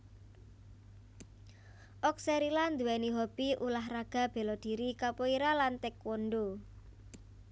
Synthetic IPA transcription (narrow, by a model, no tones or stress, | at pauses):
ʔɔksɛɾiland̪uwɛniɦobiʔulaɦraɡ̥a̤b̥e̤lɔd̪̥i̤ɾikapoiɾalant̪ɪkwɔnɖo